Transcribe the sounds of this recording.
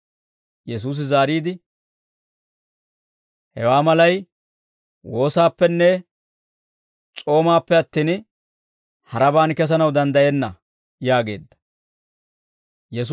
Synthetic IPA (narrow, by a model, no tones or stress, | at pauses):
jɛs̬uːs̬ɪzaːɾiːd̪ɪ | hɛ̰waːmɐlɐj | wo̞ːsaːpːɛnːɛ | t͡sʼo̞ːmaːpːɛɐt̪ːiːn | hɐɾɐbaːnkɛs̬ɐnɐwd̪ɐnd̪ɐjɛnːɐ | jaːɡe̞̰ːd̪ːɐ̥ | jɛs